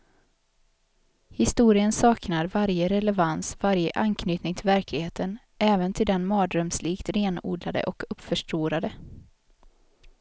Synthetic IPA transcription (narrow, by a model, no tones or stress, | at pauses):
hɪst̪uːɾɪənsɑːknaɾvaɾjəɾɛlɛvansvaɾjəʔankʰnyːt̪nɪŋt̪ʰɪlvæɾklɪɡheːt̪ʰən | ʔɛːvənt̪ʰɪld̪ɛnmɑːd̪ɾœmsliːkt̪ɾeːnṵːd̪lad̪ə̰ʔɔkɵpːfœʂʈɾuːɾad̪ə